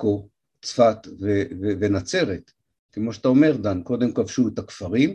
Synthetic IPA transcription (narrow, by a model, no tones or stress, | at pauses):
ko | t͡sfat̪vevevenat͡se̞ʁet̪ | kemo̞ʃeat̪aome̞ʁd̪anko̞d̪e̞mkavʃuet̪akfaʁim